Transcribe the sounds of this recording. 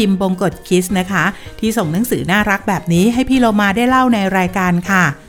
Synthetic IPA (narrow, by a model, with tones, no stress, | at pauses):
i˧mbo˧ŋko˨˩t̪̚kʰi˦˥sna˦˥kʰa˦˥t̪ʰiː˥˩so˨˩ŋna˨˦˥ŋsɯː˩˦naː˥˩ɾa˦˥k̚bɛː˨˩p̚niː˦˥ɦa˥˩jpʰiː˥˩loː˧maː˧daː˥˩jla˥˩wna˧jɾaː˧jkaː˧nkʰa˥˩